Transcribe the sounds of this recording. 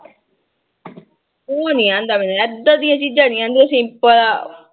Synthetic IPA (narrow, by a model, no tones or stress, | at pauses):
oːnĩãːnd̪aːmɛːnuːɛd̪ãːd̪ijãːt͡ʃiːd͡ʒãːnĩãːnd̪osɪ̃mpəla